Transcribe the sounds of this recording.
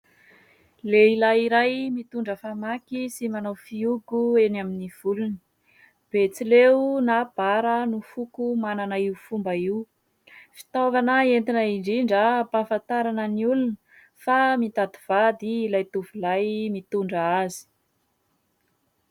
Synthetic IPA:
leilajiɾajmit̪uɳɖ͡ʐəfamakisimanafiuɡuenaminiv̥ulunə | b̥et͡silewnab̥aɾənufukumananəiufumbəiw | fi̥t̪ovanəent̪inəiɳɖ͡ʐiɳɖ͡ʐəpafant̪aɾanəniulunə | famit̪ad̪iv̥ad̪iːlajt̪uvulajmit̪uɳɖ͡ʐəazi̥

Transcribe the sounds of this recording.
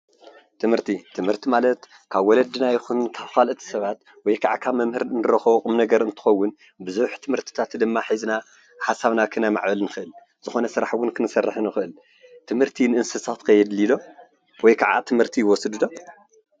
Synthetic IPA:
t̪ʰɨmhɨɾt̪ʰit̪ʰɨmhɨɾt̪ʰimalɐt̪ | kʰaβwɔlɐd̪ɨnajɪxunkʰaβkʰalʔɨt̪ʰi̥sɐβat̪ | wɔjkʰaʕakʰaβmɐmhɨɾnɨɾɐxɐβqʼumnɐɡɐɾɨnt̪ʰɨ̥xɐwːʊn | bɨzuħt̪ʰɨmhɨɾt̪ʰi̥t̪ʰat̪d̪ɨmːaħazɨna | ħasaβnakʰɨnama̰ʕbɐlnɨxɨʔɨl | z̥ɨxo̞nɐsɨɾa̰ħwʊnkʰɨnɨsɐrːɨħɨnɨxɨʔɨl | t̪ʰɨmhɨɾt̪ʰinɨʔɨnsɐsat̪kʰɐjɛd̪lid̪o̞ | wɔjkʰaʕa̰t̪ʰɨmhɨɾt̪ʰijwɔsɨd̪ɨd̪o̞

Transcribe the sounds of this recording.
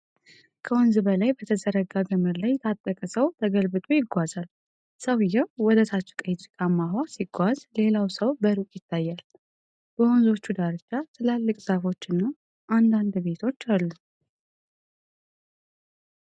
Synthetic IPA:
kʰəwɔnzɨbəlajbət̪ʰəzəɾəɡaɡɨmɨɾlajt̪ʰat̪ʼːəkʼəsəwt̪ʰəɡəlbɨt̪ʼujɪɡʷazal | səwjɛwɔd̪ət̪ʰat͡ʃːɛ̥kʼət̪ikʼamːaɦwasiɡʷazle̞lawsəwbəɾukʼjɪt̪ːajːal | b̥əonzo̞t͡ʃːud̪aɾɨt͡ʃːat̪ɨlalːɨkʼz̥afo̞t͡ʃːɨnːa | ʔand̪and̪be̞t̪ʰo̞t͡ʃːalːu

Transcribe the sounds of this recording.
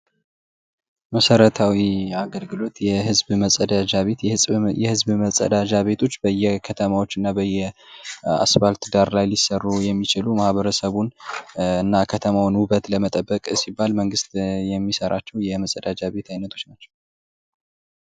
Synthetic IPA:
məsəɾət̪ʰawiaɡəlɡɨlo̞t̪jɛhɨzbməsʼəd̪ad͡ʒaβe̞t̪jɨjɛhɨzbməsʼə̰d̪ad͡ʒaβe̞t̪ʰo̞t͡ʃːbəjːɛkʰət̪ʰəmawo̞t͡ʃːɨnːabəjːɛ | a̰sβalt̪d̪aɾlajlisərːujɛmːit͡ʃɪlumahβəɾəsəβunɨnːakʰət̪ʰəmawnwuβət̪ləmət̪ʼəbːəkʼsibːalməŋɡɨst̪jɛmːisəɾʔat͡ʃːɛwjɛməsʼəd̪ad͡ʒaβe̞t̪ʰajnət̪ʰo̞t͡ʃːnat͡ʃːɛ̥w

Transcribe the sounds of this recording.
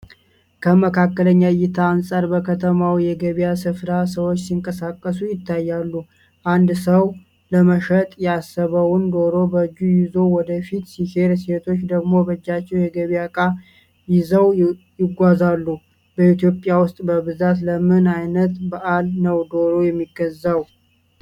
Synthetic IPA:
kʰəməkʰakːələɲːajɪt̪ʰaːnsʼaɾbəkʰət̪ʰəmawjɛɡəβasɨfɾasəwot͡ʃːsiŋkʼəsakʼːəsujɪt̪ːajːalːu | ʔand̪səw | ləməʃət̪ʼjasəβəwʊnd̪o̞ɾo̞bəd͡ʒːujɪzo̞wɔd̪əfit̪siʃe̞ɾse̞t̪ʰo̞t͡ʃːd̪əɡmo̞bəd͡ʒːat͡ʃːɛwjɛɡəβijakʼa | jɪzəw | jɪɡʷazalːu | b̥əit̪jo̞pʼjawʊst̪ʼbəβɨzat̪ləmɨnajnət̪baʔalnəwd̪o̞ɾojɛmːiɡəzːaw

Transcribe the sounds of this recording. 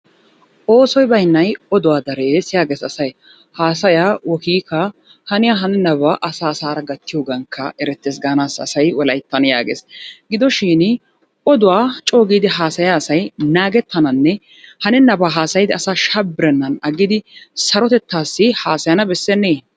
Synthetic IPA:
ʔo̞ːsɔjbɐjnːɐjɔd̪ʊwaːd̪ɐɾeːsɪjaːɡeːsɐsɐj | haːsɐjaːwɔkiːkːɐ | hɐnɪjaːɦɐnɛnɐbaʔɐsaːsaːɾɐɡɐt̪ːɪjoːɡɐŋkʰːɐʔɛɾɛt̪ːeːs̬ɡaːnaːsɐ̰sɐjwɔlɐjt̪ːɐnja̰ːɡeːsɡɪd̪ɔʃiːn | ɔd̪ʊwaːt͡ʃʼo̞ːɡiːd̪ɪɦaːsɐjaːsɐjnaːɡɛt̪ːɐnɐnːɛ | hɐnɛnɐbaːɦaːsɐjɪd̪ɪɐsaːʃɐbːɪɾɛnːɐnɐɡɪd̪ɪsɐɾɔt̪ɛt̪ːaːsːɪhaːsɐjɐnɐbɛsːɛnːeː

